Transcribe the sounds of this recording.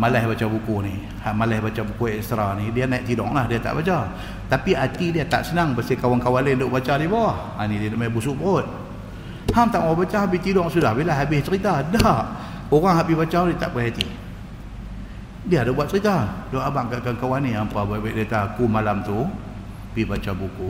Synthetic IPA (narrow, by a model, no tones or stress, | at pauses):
malɛhbat͡ʃabukuni | haʔmalɛhbat͡ʃabukuɛst̪ɾanidianaiʔt̪idɔ̰ŋlahdiat̪a̰ʔbat͡ʃa | t̪apiat̪idiat̪a̰ʔsənaŋbəsəkawankawalendoʔbat͡ʃadibawah | anididʔmabusuʔbəot̪̚ | hamt̪aʔmbat͡ʃaɦabit̪idɔŋsudahbilaɦabɪht͡ʃəɾit̪adaʔ | oɣaŋɦaʔbibat͡ʃanit̪a̰ʔbuhat̪i | diadabuat̪̚t͡ʃəɾit̪adoʔabaʔkaʔkankawaniampababɛʔ̚dat̪akumalamt̪u | pibat͡ʃabuku